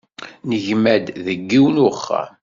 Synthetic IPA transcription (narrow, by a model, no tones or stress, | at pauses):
nəʝmæd̪ðəɡːiwnʊχːa̰